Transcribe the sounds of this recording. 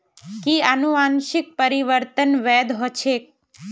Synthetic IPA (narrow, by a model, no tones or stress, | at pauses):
kianũanʃik̚pəɾiʋəɾt̪ənʋɛd̪ɦɔt͡ʃʰek̚